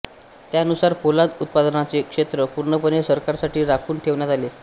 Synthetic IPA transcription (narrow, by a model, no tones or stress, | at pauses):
t̪janusaɾpolad͡z̪ut̪̚pad̪ənat͡sekʂet̪ɾəpuɾɳəpənesəɾkaɾsaʈiːɾakʰuːnʈʰeʋɳjat̪ale